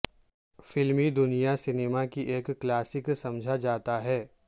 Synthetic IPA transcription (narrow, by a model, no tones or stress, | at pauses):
fɪlmid̪ʊnijasɪneːmakiʔeːkːlaːsɪksɐ̃md͡ʒʱad͡ʒaːt̪aɦɛː